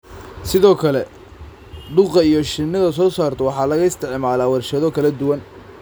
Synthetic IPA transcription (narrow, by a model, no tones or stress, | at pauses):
sɪðɔːkʰɐlɛ | ɖʊqɑijɔʃɪnːɐðɐs̬ɔːsaːrt̪ʰɐwɑħɑːlɐɣɐɪst̪ʰɪʕmaːlaːwɐrʃɐðɔkʰɐlɐd̪ʊwɐn